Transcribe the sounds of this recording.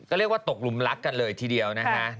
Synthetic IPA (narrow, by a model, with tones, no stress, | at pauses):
kɔː˧˩li˦˥ək̚waː˧˩t̪o˨˩k̚lu˧˦mla˦˥k̚ka˧nləː˧jt̪ʰiː˧ɗi˧əwnaː˦˥kʰa˦˧˥ʔ